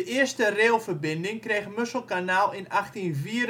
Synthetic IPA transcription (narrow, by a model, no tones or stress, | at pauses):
əʔɪəstəreːlˠfərbɪndɪŋkreːxmøsəl̩ˠkanaːlˠɪnaxtinviəɾ